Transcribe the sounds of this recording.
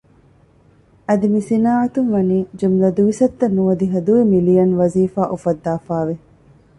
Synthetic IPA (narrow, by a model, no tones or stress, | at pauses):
ɐd̪imisinaːɐt̪unʋɐniːd͡ʒumlɐd̪uʋisɐt̪ːɐnːuʋɐd̪iɦɐd̪uimilijɐnʋɐziːfaːʔufɐd̪ːaːfaːʋe